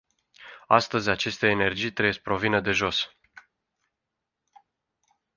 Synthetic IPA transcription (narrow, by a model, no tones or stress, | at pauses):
ast̪əzʲat͡ʃe̞st̪e̞ːne̞rd͡ʒijt̪ɾees̚pɾo̞vinəd̪e̞ʒo̞s